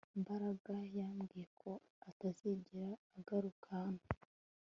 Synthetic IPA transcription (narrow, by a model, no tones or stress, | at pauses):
imbaɾaɡajaːmɡije̞kʰo̞ | ataziɟiɾaːɡaɾukʰano